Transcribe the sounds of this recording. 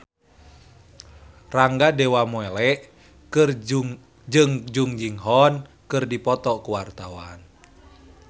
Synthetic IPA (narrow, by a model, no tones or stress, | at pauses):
raŋɡadɛwamɔɛlɛʔ | kɨr | d͡ʒɨŋd͡ʒuŋd͡ʒiŋɦɔn | kɨrdipɔt̪ɔkuwart̪awa̰n